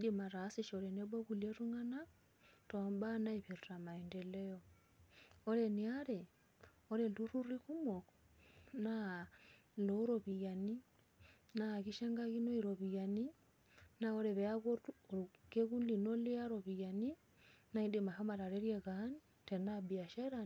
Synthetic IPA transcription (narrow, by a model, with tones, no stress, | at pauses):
iɗima˨ɾa˨siʃɔɾɛ˨nɛbo˦ku˨lieɾu˦ŋa˦na˦ | tɔmba˦na˦iβi˨ɾta˨ma˨ɛ˨ndɛ˨lɛ˦jɔ | ɔ˦ɾɛniaɾɛ˨ | ɔ˦ɾɛlu˦ɾu˦ɾi˦ku˦mɔ˨k | na | loɾɔβi˨ja˨ni˦ | naɣi˦ʃa˦ŋɡaɣi˦no˦iɾoβija˨ni˦ | naɔ˦ɾɛ˨βɛa˦ɣo˦uke˦ɣu˦lino˦li˦a˦ɾoβija˨ni˦ | na˦idema˨ha˦ma˨ɾa˨ɾɛɾjeɣani | tɛ˨nabi˨a˨ʃa˦ɾa